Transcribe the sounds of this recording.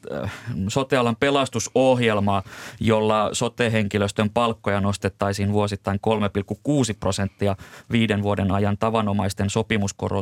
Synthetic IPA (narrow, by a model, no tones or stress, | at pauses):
sot̪eɑlɑmpelɑst̪usohjelmɑːjolːɑsot̪eːɦeŋkiløst̪ømpɑlkːojɑnost̪et̪ːɑisiːnʋuosit̪ːɑiŋkolmepilkːukuːsiprosent̪ːiɑʋiːdenʋuodenɑjɑnt̪ɑʋɑnomɑist̪ensopimusko̰ro̰